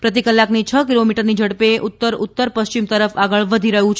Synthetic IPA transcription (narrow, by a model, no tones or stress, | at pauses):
pɾət̪ikəlːaknit͡ʃʰəkilomiʈəɾnid͡ʒʱəɽpeʔʊt̪ːəɾʊt̪ːəɾpəst͡ʃimt̪əɾəfaɡəɭʋəd̪ʱiɾəɦũt͡ʃʰ